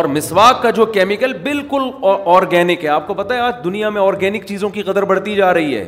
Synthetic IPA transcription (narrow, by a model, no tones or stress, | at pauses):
ɔːɾmɪswaːkːad͡ʒoːkɛːmɪkəlbɪlkʊlɔːɾɡɛːnɪkɦɛaːp̚kopɐt̪aɦɛaːd͡ʒd̪ʊnijamẽɔːɾɡɛːnɪkt͡ʃiːzõkiqɐd̪əɾbɐɽ̤t̪id͡ʒaːɾɐɦiɦɛ̰ː